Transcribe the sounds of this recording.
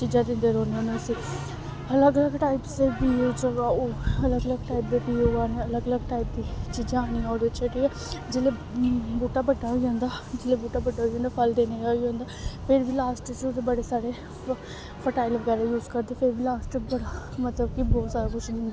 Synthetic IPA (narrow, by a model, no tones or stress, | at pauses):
t͡ʃiːd͡ʒãːd̪ɪ̃nd̪eːɾõːnenesĩː | ələɡələɡʈaːɪpsebiːot͡ʃəaːoələɡələɡʈaːɪp̚d̪eːpiːoaːneələɡələɡ̚ʈaːip̚d̪iːt͡ʃiːd͡ʒãaːñiːaːod̪eːʋɪt͡ʃt͡ʃʰəʈeɛː | d͡ʒelebuːʈaːbəɖaːɦiːãːnd̪aːd͡ʒɪleːbuːʈaːbəɖaːɦiːõːnd̪aːpʰəld̪eːned͡ʒaːiːɦõːnd̪aːpʰɪɾbiːlaːsʈt͡ʃod̪eːbəɽeːsaːɽeː | pʰəʈaːɪlʋəɡɛːɾaːjuːzkəɾd̪eːpʰɪɾbiːlaːsʈbəɽaːmət̪ləb̚kibɔːt̪saːɾaːkʊʃd̪ɪ̃nd̪e